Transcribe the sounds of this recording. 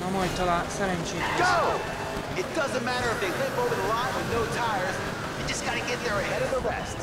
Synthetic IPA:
nomɔjt̪ʰːɔlasaɾɛ̃nt͡ʃiɡ̥oʊ | ɨt̚d̥ʌzɨ̃nmæɾə˞ʌvɪlɪ̃mpoʊvə˞ðəlãɪ̃nənoʊtʰaɪə˞z | ɨ̥d͡ʒ̥ʌsɡ̥ɑɾɨɡɛt̪̚ðə˞ɨhɛɾʌvðəɹɛ̰st

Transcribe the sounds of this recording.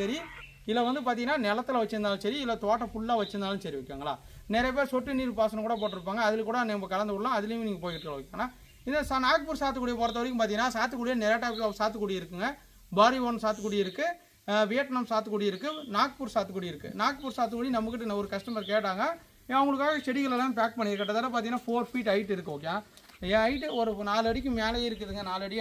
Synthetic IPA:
sɐɾi | ɪlːɐʋɐnd̪ɯpaːt̪iŋɡɐnːaːnɛlɐt̪ːɯlʋɐt͡ʃːɯɾɯnaːlɯsɐɾiɪlːɐt̪oːʈːɐfʊɭːaːʋɐt͡ʃːɯɾnd̪aːlɯnsɐɾiʋɐkːʋa̰ːŋɡɐɭa̰ː | nɛɾɐjɐpeːɾsɔʈːɯniːɾpaːsɐnɐ̃kuːɽɐpoːʈːɪɾɯp̬ːaːŋɡɐːðɪlkuːɽɐnɐɐmbɐkɐlɐnd̪ɯɔɽlãːɐðɪlɐjʊ̃niːŋɡɐpoːjkɪʈːɯkːɐɭɐʋɐkːaːŋɡɐnaː | ɪnd̪ɐsanaːk̚puːɾsaːɾt̪ɯkuːɽɪjɐp̬oːɾɐt̪̬ːɐʋɐɽɪkːɯmpaːt̪iŋɐnːaːsaːɾt̪ːɯkːuːɽɪjɐnɛɾɐjaʈːɐːpkːɯɐsaːɾt̪ːɯkːuːɽɪjɪɾɯkːɯŋɡɐ | baːɾiʋoːnɯsaːɾt̪ɯkːuːɽɪjɪɾɯkːɯ | ʋeːʈnɐmsaːɾt̪ɯkːuːɽɐjɪɾɯkːɯnaːk̚puːɾsaːt̪ːɯkuːɽɪjɪɾɯkːɯ̰naːkpuːɾsaːɾt̪ɯkuːɽinɐmbɐk̬ːɪʈːɯnɐɔɾɯkɐsʈɐmɐɾkeːʈːaːŋɡɐ | ɐʋʊŋɡɐɭɯkːaːɣɐsɛɽɪɣɐɭlãːp̬aːk̚pɐɳːɪɾɯkːɐʈːɐt̪ːaːnːaːp̬aːɾiŋɐnːaːfoːɾfiːʈːɐɪʈːɪɾɯkːɯoːk̬ːɪjãː | ẽɐɪʈːɯɔɾɯnaːlɐɽɪkːɯ̃meːlɐjeɪɾɯkːɐðɯŋɡɐnaːlɐɽɪ

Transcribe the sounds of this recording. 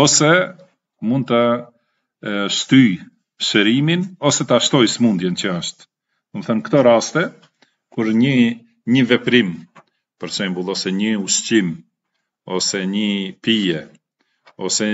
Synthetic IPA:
ɔsɛ | mund̪̚t̪ə | ʃt̪yj | ʃəɾiminɔsɛt̪aʃt̪ɔjsmund̪jɛnt͡ɕəəʃt̪ | umθənkt̪ɔɾast̪ɛ | kuɾɲə | ɲəvɛpɾim | pəɾsɛmbulˠɔsɛɲəuʃt͡ɕim | ɔsɛɲəpijɛ | ɔsɛ

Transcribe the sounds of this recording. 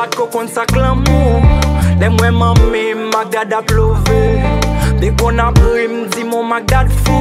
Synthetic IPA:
at̪̚kokɔ̃nsaklãmũlɛmwɛ̃mãmːɛ̃mːaɡ̚d̪ad̪aplovebẽkɔ̃nãpim̩d͡zimɔ̃maɡ̚d̪ad̪fu

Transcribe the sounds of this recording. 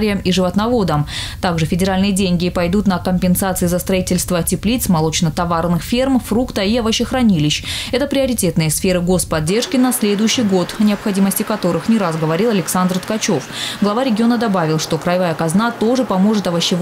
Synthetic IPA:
ɾʲɪjəmiʐɨvət̪nɐvo̞d̪əmt̪aɡʐɨfʲɪdʲɪɾalʲnɨjədʲenʲɡʲɪpɐjd̪ut̪nəkəmʲpʲɪnsat̪sɨɪzəst̪ɾɐitʲɪlʲst̪vətʲɪplʲit̪smɐlˠo̞t͡ɕnət̪ɐvarnɨxfʲermfrukt̪əiɐvəɕːɪxɾɐnʲilʲɪɕɛt̪əpɾʲɪɐɾʲɪtʲe̞t̪nɨjəsfʲe̞ɾɨɡo̞spɐdʲːe̞rʂkʲɪnɐsʲlʲe̞d̪ʊjɕːɪjɡo̞t̪ɐnʲɪɐpxɐdʲiməsʲtʲɪkɐt̪o̞ɾɨxnʲɪɾazɡəvɐɾʲilˠɐlʲɪksand̪rt̪kɐt͡ɕo̞fɡlˠɐvaɾʲɪɡʲɪo̞nəd̪ɐbavʲɪlˠʂt̪o̞kɾɐjvajəkɐznat̪o̞ʐɨpɐmo̞ʐɨt̪ɐvɐɕːɪ

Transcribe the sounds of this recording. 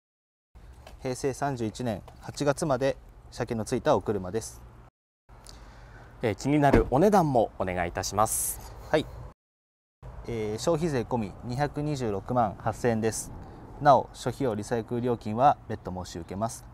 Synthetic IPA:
he̞ːse̞ːsãɲ̟d͡ʑɨːit͡ɕinẽ̞ɰ̃hat͡ɕiɡat͡sɨmad̪e̞ɕakenot͡sɨit̪aokɯ̟ɾɯ̟mad̪e̞sɨ̥ | ekʲiɲ̟inaɾɯ̟ʔo̞ne̞d̪ãmːo̞one̞ɡait̪aɕimasɨ̥hai | eːɕo̞ːçize̞ːko̞mʲiɲ̟içakɯ̟ɲ̟iʑɨːɾo̞kɯ̟mãɰ̃hasẽ̞nd̪e̞sɨ̥nao̞̰ɕo̞çio̞ɾʲisaekɯ̟ɾʲo̞ːkʲĩɰ̃βabe̞t̪ːo̞mo̞ːɕiɯ̟ke̞masɨ̥

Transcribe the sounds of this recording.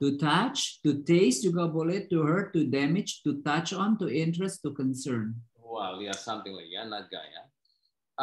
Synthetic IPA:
tutat͡ʃtuteɪstjuɡobɔletːuɦə˞tudɛmɪd͡ʒtutat͡ʃɔ̃ntuɪ̃ntɹɛstukɔ̃nsəɹn | wɛljasãmt̪ɪ̃ŋla̰ɪkjanat̪̚ɡa̰ja̰

